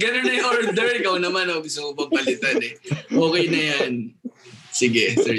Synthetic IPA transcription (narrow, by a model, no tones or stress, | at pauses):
ɡɐnonɐjhoɹd̪ɛɹɪkɐwnɐmanɐoɡʊst̪ʊmopɐm̚pɐlɪt̪ad̪ɛʔoːkɛjnɐjan | sɪɡɛsɛ